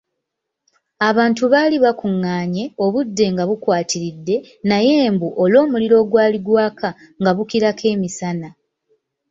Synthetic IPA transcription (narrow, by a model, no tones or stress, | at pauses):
aβaːntuβaːliβakuŋːaːɲe̞o̞βudːe̞ŋɡaβukwaːtiɾidːe̞ | naje̞ːmbuʔolo̞ːmuliɾo̞ːɡwaːliɡwaːkʰa | ŋɡaβukiɾakʰe̞ːmisana